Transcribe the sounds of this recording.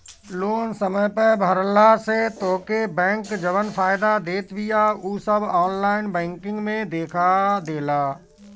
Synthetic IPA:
loːnsəməjpəbʱəɾlaset̪oːkebɛ̃ːŋkd͡ʒəʋənfʰaːɪd̪ad̪eːt̪ʋɪjauːsəbʱɔːnlaːɪnbɛ̃ːŋkɪ̃ŋɡmẽd̪eːkʰad̪eːlaː

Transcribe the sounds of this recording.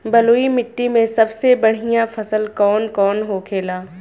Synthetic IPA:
bɐloːimɪʈːimẽsɐbsebɐɽ̤ijãfʰɐsəlkɔːnkɔːnɦokʰeːlaː

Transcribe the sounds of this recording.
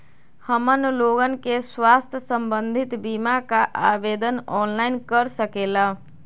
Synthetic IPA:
həmənloɡənkeswaːst̪ʰjəsəmbənd̪ʱit̪bimakaʔabed̪ənɔːnlaɪnkəɾsəkela

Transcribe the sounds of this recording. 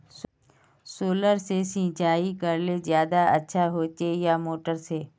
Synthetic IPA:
s | soːləɾsesĩːt͡ʃaːikəɾlezjaːd̪aətːʃʰaɦoːt͡ʃejamoːʈəɾseː

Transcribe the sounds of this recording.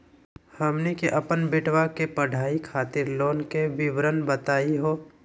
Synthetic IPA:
həmnekeʔɐpənbɪʈʰwakepəɖʱaːikʰaːt̪ɪɾloːnkeʋɪʋɾənbət̪aːiɦoː

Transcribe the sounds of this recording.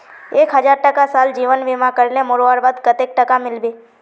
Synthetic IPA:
eːkɦəd͡ʒaːɾʈəkasaːld͡ʒiːʋənʋɪmãkəɾnemʊɾoaːɾbaːd̪kət̪eːk̚ʈəkamɪlbiː

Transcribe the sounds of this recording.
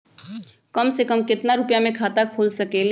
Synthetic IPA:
kəmsekəmkɪt̪naɾʊpjamẽkʰaːt̪akʰuːlsɐkel

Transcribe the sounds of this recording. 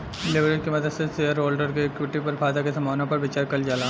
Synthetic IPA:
ɪlɪʋɾeːʈkemɐd̪əd̪seseəɾoːlɖəɾkekʋɪʈːipɐɾfʰaːd̪akesɐmaːʋnõpɐɾbɪt͡ʃaːɾkɐld͡ʒaːla

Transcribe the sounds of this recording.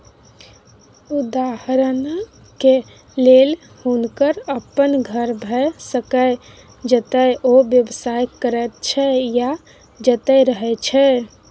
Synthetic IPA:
ud̪ahɾn | ke | lel | hunkəɾəpːənɡʱəɾbʱɛsəkə | d͡ʒət̪əjʔoʋjəbsajkəɾɛt̪t͡ʃʰɛja | d͡ʒət̪ɛɾəɦɛt͡ʃʰɛ

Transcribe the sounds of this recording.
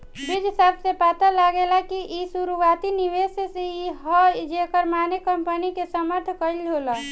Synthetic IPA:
bid͡ʒɦisabsepat̪əlaɡelakiʔisuɾuat̪iniʋesseiɦɔd͡ʒekəɾmanekəmpənikesəməɾt̪ʰkəjlɦolə

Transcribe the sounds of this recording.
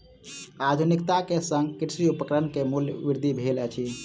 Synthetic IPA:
ad̪ʱunikt̪akesə̃ŋɡkiɾsɾiupəkɾənkemuljəʋiɾd̪ʱibʱelɛt͡ʃʰi

